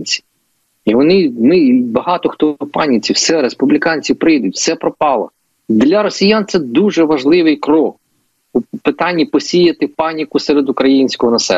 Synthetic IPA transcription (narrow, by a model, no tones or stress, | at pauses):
nʲt͡sʲi̥ | iʋɔnɪnɪbɐɦɑt̪ɔxt̪ɔpɑnʲit͡sʲiwsɛɾespublʲikɑnʲt͡sʲiwpɾɪjd̪ʊtʲwsɛpɾɔpɑlˠɔ̰ | d̪lʲɐɾɔsʲijant̪sɛd̪uʒɛʋɐʒlˠɪʋɪjkɾɔk | upɪt̪ɑnʲːipɔsʲijɐt̪ɪpɑnʲikʊsɛɾed̪ʊkɾɐjinʲsʲkɔɦɔnɐsɛ̰